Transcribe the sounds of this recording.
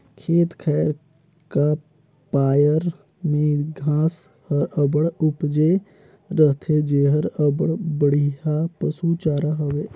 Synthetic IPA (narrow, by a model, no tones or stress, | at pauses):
kʰeːt̪kʰɛːəɾ | ka | paːjəɾ | mẽɡʱãːs | həɾəbəɽʊpd͡ʒe | ɾəɦt̪ʰed͡ʒeːɦəɾəbəɽbəɽ̤iɦapəsut͡ʃaːɾaɦəʋeː